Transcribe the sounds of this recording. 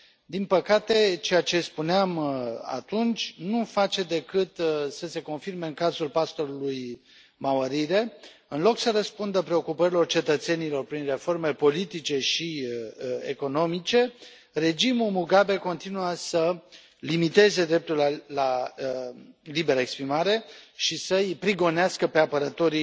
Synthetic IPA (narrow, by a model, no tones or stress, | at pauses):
d̪inpəkat̪e̞t͡ʃe̞jat͡ʃe̞spuneama̰t̪unt͡ʃʲnufat͡ʃe̞d̪e̞kɨt̪səse̞ko̞nfirme̞ɨŋkazulpast̪o̞ɾuluj | maaɾiɾe̞ | ɨnlo̞ksəɾəspund̪əpɾe̞o̞kupəɾilo̞rt͡ʃe̞t̪ət̪se̞nilo̞rpɾinre̞fo̞rme̞po̞lit̪it͡ʃe̞ʃi | ḛko̞no̞mit͡ʃe̞ | re̞d͡ʒimumuɡabe̞ko̞nt̪inuasə | limit̪e̞ze̞d̪ɾe̞p̚t̪ulala | libe̞ɾəekspɾimaɾe̞ʃisəjpɾiɡo̞neaskəpe̞apəɾət̪o̞ɾi